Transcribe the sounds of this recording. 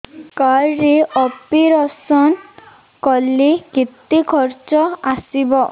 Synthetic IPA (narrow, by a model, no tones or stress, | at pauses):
kaɾɾeɔpiɾɔsɔn | kɔlːikit̪ikʰɔɾt͡ʃɔasibɔ